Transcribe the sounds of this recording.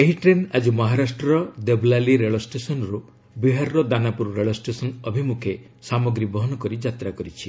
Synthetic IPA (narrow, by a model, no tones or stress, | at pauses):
eɦiʈɾenad͡ʒumɔɦaɾasʈɾɔɾɔd̪ebʱlaliɾeɭɔsʈesɔnɔɾu | biɦaɾːɔd̪anapuɾɾeɭɔsʈesɔnɔbʱimukʰe | samɔɡɾibɔɦɔnɔkɔɾid͡ʒat̪ɾakɔɾit͡ʃʰi